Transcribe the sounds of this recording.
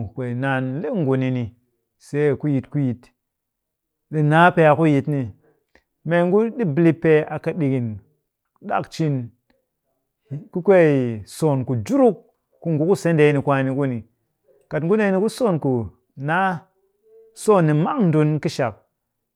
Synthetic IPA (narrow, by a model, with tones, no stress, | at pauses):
kʷe˨na˨nle˦ŋɡu˨ni˧ni˨ | se˨˦˨ku˦ji˨tku˦ji˨t | ɗi˨na˦pe˧a˨ku˦ji˨tni˨ | me˨ŋɡu˦ɗi˦bli˦pːe˦a˨ka˦ɗi˨ɡi˨n | ɗa̰˦˨kt͡ʃi˦n˨ | ku˦kʷe˦˨so˨nku˨d͡ʒu˦ɾu˦k̚ː | u˦ŋɡu˦ku˦se˨˦nde˧˦ni˨kʷa˨˦ni˧ku˦ni˨ | ka˨tŋ˦ɡu˦ne˦ni˦ku˦so˦˨nku˨ | na˦ | so˦˨nːi˨ma˦ŋn˦du˧nki˦ʃa˨k̚